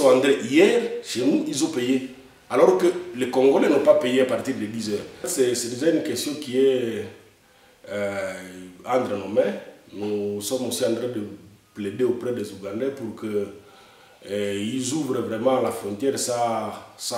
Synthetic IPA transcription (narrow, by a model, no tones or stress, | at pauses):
sɔ̃ãnd̪ɾɛ̃ʔijɛʁʃenuilzɔ̃peje | alɔʁkəlekɔ̃ŋɡolɛnɔ̃papejeapaʁt̪iʁd̪əd̪izœːʁsɛsɛd̪əʒaynkɛst̪jɔ̃kiɛ | ãt̪ɾənɔmɛnusɔmosiãnt̪ʁɛ̃d̪əpledeopʁɛd̪ezuɡãnd̪ɛpuɾkə | ilzuvʁəvʁɛmɑ̃lafɾɔ̃nt̪jɛʁsasa